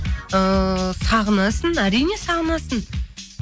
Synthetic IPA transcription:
əsɑʁənɑsənæɾijne̞sɑʁənɑsən

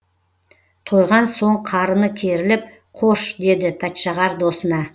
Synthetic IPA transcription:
t̪ʰo̞jʁɑnso̞ɴqʰɑɾənəkʲʰe̞ɾɪlɪp̚ | qʰo̞ʃd̪e̞d̪ɪpʰæt̪ʃɑʁɑɾd̪o̞sənɑ

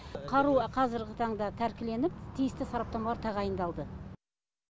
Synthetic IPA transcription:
qʰɑɾuqʰɑzɪɾɡʲɪt̪ʰɑɴd̪ɑt̪ʰæɾkʲɪle̞nɪp̚t̪ʰijɪst̪ɪsɑɾɑp̚t̪ɑmɑlˠɑɾt̪ʰɑʁɑjənd̪ɑlˠd̪ə

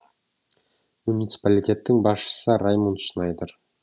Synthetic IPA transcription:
munʲijt̪si̥palʲitʲe̞t̪ːɪŋbɑsʃə̥səɾajmunt̪ʃənɑjd̪əɾ

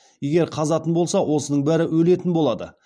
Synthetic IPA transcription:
je̞ɡʲe̞ɾqʰɑzɑt̪ənbo̞lˠsɑwʔo̞sənəɴbæɾɪwɵle̞t̪ɪnbolˠɑd̪ə̰

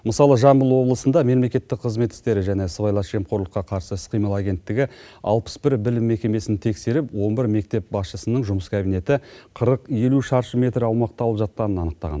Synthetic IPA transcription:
məsɑlˠəʒɑmbəlˠwo̞blˠəsənd̪ɑme̞mle̞kʲe̞t̪ːɪk̚qʰəzme̞t̪ːɪ̥st̪e̞ɾɪʒæne̞səvɑjlˠɑʃe̞mqʰo̞ɾlˠəqːɑqʰɑɾsəsqijməlˠaɡʲe̞nt̪ːɪɡʲɪɑ̰lˠpə̥sbɪɾbɪlɪmːe̞kʲe̞me̞sɪnt̪ʰe̞kse̞ɾɪpwo̞nbɪɾme̞k̚t̪e̞p̚bɑsʃəsənəɴʒʊməskʰʲabijne̞t̪ɪqʰəɾəqje̞luʃɑɾʃəmʲe̞t̪ɾɑwmɑq̚t̪ɑlˠəpʒɑt̪̚qɑnənɑnəq̚t̪ɑ̰ʁɑ̰n

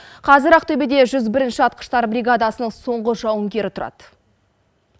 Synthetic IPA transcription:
qʰɑzɪɾæq̚t̪ʰɵbed̪e̞ʒʏzbɪɾɪnʃɪɑt̪̚qə̥ʃt̪ɑɾbɾʲiɡad̪asənəɴso̞ɴʁəʒɑwəŋɡʲe̞ɾɪt̪ʰʊɾɑ̰d̪̥

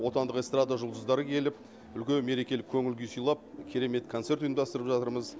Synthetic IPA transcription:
wo̞t̪ɑnd̪əqest̪rad̪aʒʊlˠd̪əzd̪ɑɾəkʲʰe̞lɪp̚ | ʏlkʲe̞nme̞ɾe̞kʲe̞lɪp̚kʲʰɵŋɪlɡʲejsujlˠɑp̚kʲʰe̞ɾe̞me̞t̪kʰonse̞ɾt̪ʊjmd̪ɑst̪əɾəpʒɑt̪əɾməz

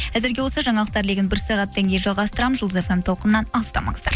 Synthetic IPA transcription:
æzɪɾɡʲe̞wosɑʒɑɴɑlˠəq̚t̪ɑɾleɡʲɪnbɪɾsɑʁɑt̪ːɑŋɡʲe̞jʒɑlˠʁɑst̪əɾɑməzʒəlˠd̪əze̞fe̞mt̪ʰoqənəːɑnɑlˠəst̪ɑmɑ̰ɴəzd̪ɑɾ

